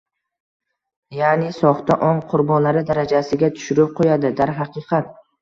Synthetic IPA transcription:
janɪsɒχt̪aʔɒŋqʰʊɾbɒnlaɾɪd̪aɾad͡ʒasɪɡʲat̪ʰʊ̥ʃʊɾɪp̚qʰojad̪ɪd̪aɾɦɑqʰɨqʰɑt̪̚

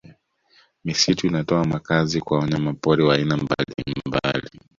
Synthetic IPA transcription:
misituinatɔamakazikwawɔɲamapɔɾɛwaːinamba̰lḭmba̰li

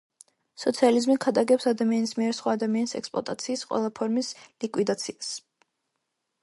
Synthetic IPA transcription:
sɔt̪sʰializmikʰad̪aɡɛpsad̪amianismiɛɾsχwaːd̪amianisɛ̰kspʼlˠɔ̰t̪ʼat̪sʰiːsqʼwɛ̰lˠapʰɔɾmislikʼwid̪at̪sʰias

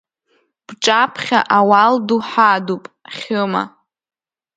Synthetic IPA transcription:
b̥ʈ͡ʂʼapʰχʲa̰ʔawalduħadupʼχʲɨma̰

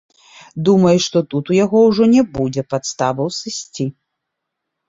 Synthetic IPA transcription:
d̪umɐjuʂt̪ɔt̪ut̪ujaɣɔwʐɔnʲɛbud͡zʲɛpat̪st̪avɐwsɨsʲt͡sʲi

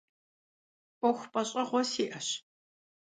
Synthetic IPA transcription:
ʔʷɔxʷpʼɐɕʼɐʁʷɔsiːʔɐɕ

